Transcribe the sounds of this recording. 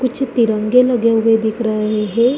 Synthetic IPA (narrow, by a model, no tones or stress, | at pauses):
kʊt͡ʃʰt̪ɪɾə̃ŋɡeləɡjaued̪ɪkʰɾəɦeɦɛ̃ː